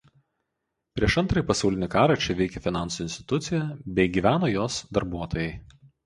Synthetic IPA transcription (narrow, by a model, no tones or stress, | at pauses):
pʲɾʲiɛʃɐnt̪ɾɐjipɐsɑʊlʲɪnʲɪkɑːɾɐˑt͡ʃʲɛʋʲɛɪkʲɛfʲɪnɑˑnsʊɪnʲst̪ʲɪ̥t̪ʊt̪sʲɪjɛbʲɛɪɡʲiːʋʲæːnoːjoːsd̪ɐɾbuɔt̪oːjɛɪ